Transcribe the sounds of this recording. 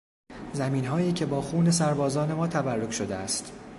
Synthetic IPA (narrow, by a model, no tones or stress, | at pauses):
zæmiːnɦɒːiːcʰe̞bɒːxuːne̞sæɾbɒːzɒːne̞mɒːt̪ʰæbærːokʃo̞d̪eæ̰st̪